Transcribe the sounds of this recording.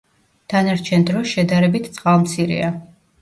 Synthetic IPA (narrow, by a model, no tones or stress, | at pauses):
d̪̥anaɾt͡ʃʰɛnd̪ɾɔsʃɛd̪aɾɛbit̪ʰt̪sʼqʼalˠmt̪sʰiɾɛ̰a